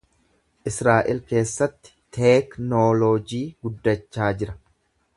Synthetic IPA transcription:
ʔɪsɾaːʔɪlke̞ːsːɐt̪ːɪ̥t̪ʰeːknoːloːd͡ʒiːɡʊd̪ːɐt͡ʃːaːd͡ʒɪɾɐ̥

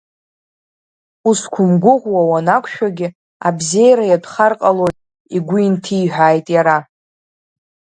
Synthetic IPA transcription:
uskʷʰʊmɡʷʊʁʷwawanakʷʰʃᶣaɡʲɪ | abze̞jɾajadχarqʼalo̞jtʼ | iɡʷʊintʰiːħʷᶣaːjtʼjaɾa

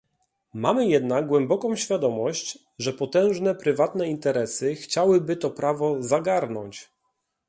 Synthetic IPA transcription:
mamɘjɛd̪naɡ̚ɡwɛmbɔkɔ̃w̃ɕfʲjad̪ɔmɔɕt͡ɕ | ʐɛpɔt̪ɛ̃w̃ʐnɛpɾɘvat̪nɛint̪ɛɾɛsɘxt͡ɕawɘbɘt̪ɔpɾavɔzaɡaɾnɔ̰ɲt͡ɕ

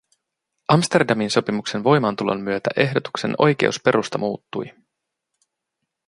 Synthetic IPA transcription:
ɑmst̪e̞rdɑminso̞pimukse̞nʋo̞jmɑnt̪ulo̞̰nːyøt̪æ̰ʔe̞ɦdo̞t̪u̥kse̞̰no̞̰jk̟e̞̰uspe̞ɾʔust̪ɑmʔuːt̪ːuj

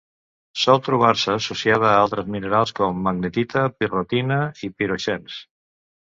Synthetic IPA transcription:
sɔlˠt̪ɾuβ̞aɾsəːsusiað̞əːalˠt̪ɾəzmineɾalˠskɔmːəɡnet̪it̪əpirot̪inəipiɾuʃɛns

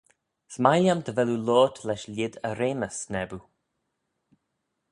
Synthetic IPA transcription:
smajljamd̪əvɛlulɔːt̪ʰlɛʃlʲɪd̪əɾeːməsnɛbu

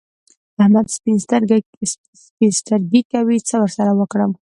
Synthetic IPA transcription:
ahmad̪spinsɾ | spinst̪aɾɡikawit͡səwəɾsaɾawəkɽəm

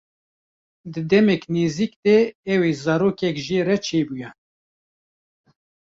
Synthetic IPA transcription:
d̪ɨd̪ɛmɛkniːziːkd̪ɛɛweːzɑːɾoːkɛkʒiːɾɛt͡ʃʰeːbujɛ

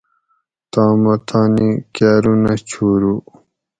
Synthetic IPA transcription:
t̪ãːmɐt̪ʰaːnikaɾunat͡ɕʰuːɾu

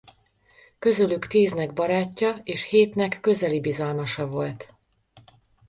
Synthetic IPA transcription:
kø̞zølykt̪iːznɛɡbɒɾaːcːɒeːʃheːt̪nɛkːø̞zɛlibizɒlmɒʃɒvo̞lt̪

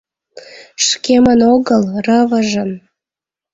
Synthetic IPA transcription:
ʃkemənoɣəlrəvəʒən

